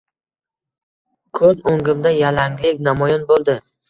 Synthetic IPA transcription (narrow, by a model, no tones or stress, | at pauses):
kʰɵzoŋɡɪmd̪ajalaŋlɪkʲnamɒjɒnbolˠd̪ɪ